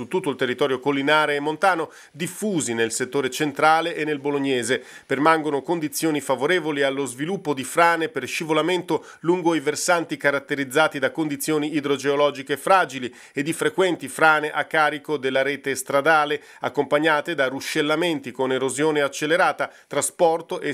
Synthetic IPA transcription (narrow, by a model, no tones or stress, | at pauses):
sut̪ːut̪ːoilt̪erːit̪ɔːɾjokolːinaːɾeːmːont̪aːno | d̪ifːuːzinelset̪ːoːɾet͡ʃent̪ɾaːleʔːnːelboloɲːɛːzepermaŋɡonokond̪it̪sːjoːnifavoɾeːvolialːozvilupːod̪ifɾaːneperʃivolament̪o | luŋɡoiversant̪ikaɾat̪ːeɾid̪zːaːt̪id̪akond̪it̪sːjoːniːd̪ɾod͡ʒeolɔːd͡ʒikefɾaːd͡ʒili | ed̪ːifɾekwɛnt̪ifɾaːneʔakːaːɾikod̪elːaɾeːt̪est̪ɾad̪aːle | akːompaɲːaːt̪ed̪aruʃːelːament̪ikoneɾozjoːneat͡ʃːelːeɾaːt̪a | t̪ɾaspɔrt̪oʔe